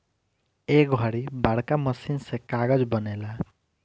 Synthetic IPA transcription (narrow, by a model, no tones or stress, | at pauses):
ek̚ɡʱʌɽibaɽkamʌsinsekaɡʌd͡zbʌnela